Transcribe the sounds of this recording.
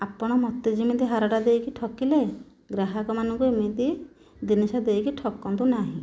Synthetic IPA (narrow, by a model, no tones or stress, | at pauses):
apɔɽ̃ɔmɔt̪ːid͡ʒimit̪iɦaɾɔʈad̪ejkiʈʰɔkile | ɡɾaɦakɔmanɔŋkuimit̪i | d̪inisad̪ejkiʈʰɔkːɔnt̪unaɦĩ